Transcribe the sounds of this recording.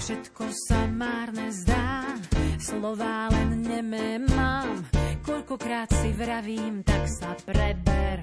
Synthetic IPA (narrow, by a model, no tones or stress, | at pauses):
fʃɛt̪kɔsamaːɾnɛzd̪aːslɔʋaːlɛnɲɛmɛmːaːmkɔʎkɔkɾaːt̪sivɾaviːmt̪aksapɾɛbɛɾ